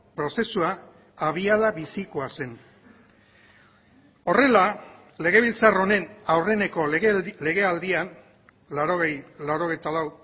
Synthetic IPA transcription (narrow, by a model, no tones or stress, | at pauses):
pɾo̞se̞sua | aβ̞iaðaβisiko̞ase̞n | o̞re̞la | le̞ɣ̞e̞β̞ilt͡saro̞ne̞nawre̞neko̞le̞ɣe̞ald̪ian | laɾoɣejlawɾo̞ɣejt̪alaw